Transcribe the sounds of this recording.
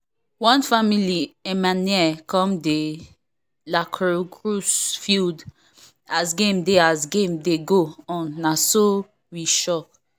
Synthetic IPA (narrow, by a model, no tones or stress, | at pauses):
wɔ̃nfamiliɛ̃maniɛkɔ̃mde | lakʰɹokɹusfild | asɡẽmdeasɡẽmdeɡoɔ̃nːaso | wiʃɔk